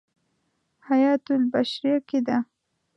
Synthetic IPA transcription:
hajɑt̪ʊlbaʃɾijaked̪a

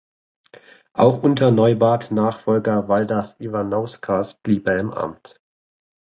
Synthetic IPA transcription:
ʔa̰ʊxʔʊntʰɐnɔʏbaːtnaːχfɔlɡɐvaldasivanɔʊskʰasb̥liːbeɐɪmʔa̰mt

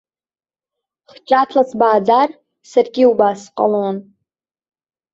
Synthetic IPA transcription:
χt͡ʃʼatʰlasbaːd͡zar | sarɡʲiubasqʼa̰lon

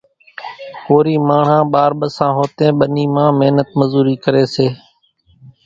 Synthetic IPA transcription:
koːɾiːmaːɳ̤ãːɓaːɾɓəsãːɦoːt̪ẽːɓəniːmãːmɪɦnət̪məzuːɾiːkəɾeːseː

